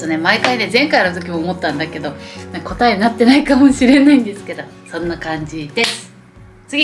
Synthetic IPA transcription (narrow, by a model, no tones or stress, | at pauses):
one̞maikaine̞zẽ̞ŋkajaɾɯt̪o̞kʲimoːmo̞t̪ːãnd̪ake̞d̪o̞nako̞t̪aenat̪ːe̞naikamo̞ɕiɾe̞naĩnd̪esɨ̥ke̞d̪o̞sõ̞nːakãɲd͡ʑid̪e̞sɨ̥ | t͡sɨɡʲi